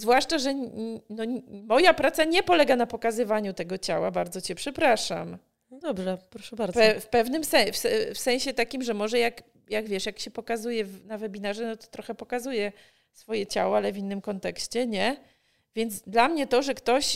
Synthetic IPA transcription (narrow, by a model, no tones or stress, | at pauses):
zvwaʂt͡ʂaʐɛnɔmɔjapɾat̪saɲɛpɔlɛɡanapɔkazɘvaɲut̪ɛɡɔt͡ɕa̰wabaɾd̪zɔt͡ɕɛpʂɛpɾaʂa̰m | d̪ɔbʐɛpɾɔʂɛbaɾpɛfpɛvnɘmsɛfsɛfsɛ̃ɕɛt̪akʲimʐɛmɔʐɛjak | jaɡvʲjɛʂjakɕɛpɔkazujɛvnavɛbʲinaʐɛnɔt̪ɔ̥t̪ɾɔxɛpɔkazujɛ | sfɔjɛt͡ɕa̰wɔalɛvʲinːɘmkɔnt̪ɛkɕt͡ɕɛɲɛ | vʲjɛnd̪zd̪lamɲɛt̪ɔʐɛkt̪ɔɕ